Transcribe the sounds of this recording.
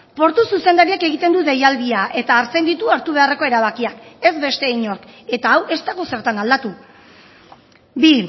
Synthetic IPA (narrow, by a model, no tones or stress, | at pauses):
po̞ɾt̪ususe̞nd̪aɾiake̞ɣ̞it̪e̞nd̪uðe̞jald̪iaʔe̞t̪aːɾt͡se̞nd̪it̪uaɾt̪uβ̞e̞are̞ko̞e̞ɾaβ̞akiake̞zbe̞st̪e̞iɲo̞ɾke̞t̪aːwʔe̞st̪aɣo̞se̞ɾt̪anald̪at̪u | bi